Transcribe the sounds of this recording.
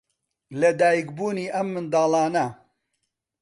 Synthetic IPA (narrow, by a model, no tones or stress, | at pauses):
lɐd̪aːjikbuːniːʔɐmːɨnd̪aːlɑːnɐ